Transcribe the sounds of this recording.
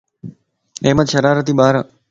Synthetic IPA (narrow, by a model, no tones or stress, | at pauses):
eːmət̪ʃəɾaːɾət̪iːɓaːɾə